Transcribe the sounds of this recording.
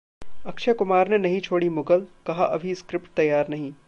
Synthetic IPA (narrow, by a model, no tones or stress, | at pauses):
ɐkʃakʊmaːɾnenɐɦĩt͡ʃʰoːɽimʊɡəlkɐɦaʔɐbʱiskɾɪpʈ̚t̪ɐjːaːɾnɐɦĩː